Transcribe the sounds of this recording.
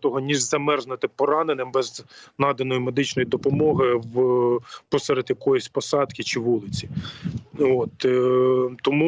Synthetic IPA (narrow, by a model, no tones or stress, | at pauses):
t̪ɔɦɔnʲiʒzɐmɛrʒnɪt̪ɪpɔɾɑnenɪmbɛznɑd̪ɐnɔjimed̪ɪt͡ʃnɔjid̪ɔpɔmɔɦɪw | pɔsɛɾɐd̪ʲjɐkɔjɔsʲpɔsɑd̪kʲɪt͡ʃɪʋulˠɪt͡sʲi | ot̪ | t̪ɔmu